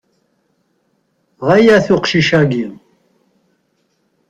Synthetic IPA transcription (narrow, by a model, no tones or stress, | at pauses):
ʁæjæθʊqʃiʃæɡi